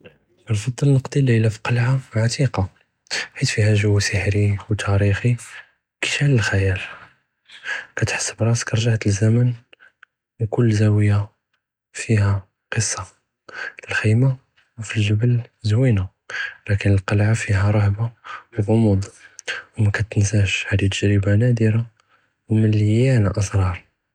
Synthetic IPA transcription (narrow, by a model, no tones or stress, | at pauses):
ʔnfɑd̪ˤːəlnəqd̪ˤililæfi̥qɑlʕaʕat̪iqɑ | ħit̪fihæʒʊwːsəħɾiwt̪ʰæɾixi | ki̥ʃæləlxæjæl | kæt̪ħə̥sːəbɾˤɑskɾˤʒaʕt̪əlzæmən | wkʊlːzæwəjːa | fihæ | qəsˤːɑ | əlxima | wfilʒəbəlzwina | lækənəlqɑlʕafiɦæɾˤɑhbawɣʊmud̪ˤwmækæt̪ənsæʃhæd̪it̪əʒɾəbanæd̪əɾa | wməlænaʔəsˤɾˤɑɾˤ